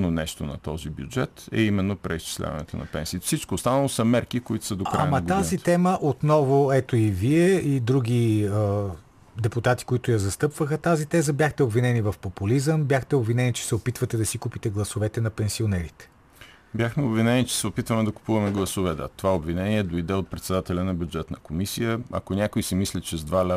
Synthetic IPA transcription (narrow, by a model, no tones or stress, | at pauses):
nonɛʃt̪onɐ̰t̪ɔzibjṵd͡ʒɛt̪ɛ̰imɛnːopɾɛist͡ʃi̥slʲa̰vɐ̰nɛ̰t̪o̰nɐ̰pɛ̰nsiːt̪fsit͡ʃkoːst̪anɐlˠosɐmɛɾkikoit̪ʊ̥səd̪okɾa̰amɐɐɡ̪azitt̪ɛməʔot̪nɔvoɛt̪oiviɛid̪ɾuɡ̟ʲiə | d̪ɛpʊt̪at̪i̥koit̪ʊjɐzɐst̪ɤpvəxət̪azit̪ɛzəbʲjaxt̪ɛobvinɛnivɐfpopʊlizəmbjaxt̪ɛobvinɛnit͡ʃɛ̥sɛopit̪vət̪ɛd̪ɐsikupit̪ɛɡlˠɐsovɛt̪ɛnɐpɛnsionɛɾit̪ɛ̥ | bʲjaxmɛobvinɛnit͡ʃɛ̥sɛopit̪vɐmɛd̪ɐkʊ̥puvɐmɛɡlˠɐsovɛd̪ə̰t̪ovaobvinɛniɛd̪oid̪ɛot̪̚pɾɛt̪sɛd̪at̪ɛlʲɐnɐbjud͡ʒɛt̪nəkomisijəɐ̰konʲakoisimislʲit͡ʃɛzd̪val